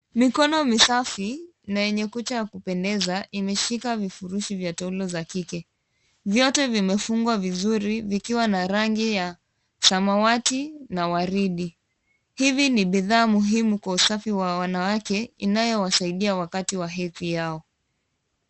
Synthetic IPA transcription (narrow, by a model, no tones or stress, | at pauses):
mikɔnɔmisafi | najɛɲɛkut͡ʃajakupɛndɛzaʔimɛʃikavifuɾuʃivjatɛulɔzakikɛ | vjɔtɛvimɛfuŋɡwavizuɾivikiwanaɾaŋɡija | samawatinawaɾiɗi | hiviniɓiðaːmuɦimukwausafiwawanawakɛinajɔwasaiɗiawakatiwaɦɛθijaɔ